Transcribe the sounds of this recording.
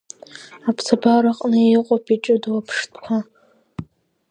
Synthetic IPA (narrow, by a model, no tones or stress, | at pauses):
apʰsʰabaɾaqʼnɨejiqʷʼopʰʼiʈ͡ʂʼɨdwapʰʂtʰʼkʷʰa